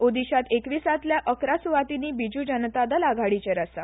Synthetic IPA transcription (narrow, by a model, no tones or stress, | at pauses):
od̪iɕat̪ekʋiːsat̪ljaʔəkɾasuʋat̪iniːbid͡ʑud͡ʑənt̪ad̪alaɡʱaɽit͡ɕeɾasa